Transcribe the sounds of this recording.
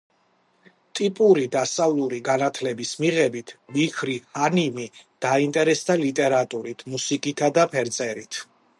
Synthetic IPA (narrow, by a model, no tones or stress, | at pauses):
t̪ʼipʼuɾid̪asavlˠuɾiɡanat̪ʰlɛbismiʁɛbit̪ʰmikʰɾihanimid̪̥aint̪ʼɛɾɛsd̪alit̪ʼɛɾat̪ʼuɾit̪ʰmusikʼit̪ʰad̪apʰɛɾt̪sʼɛɾit̪ʰ